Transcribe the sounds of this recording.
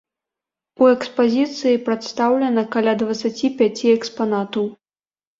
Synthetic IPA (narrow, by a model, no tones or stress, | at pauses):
uɛkspazʲit̪sɨjipɾat̪st̪awlʲɐnɐkalʲad̪vɐt̪sat͡sʲipʲat͡sʲiɛkspanat̪ɐw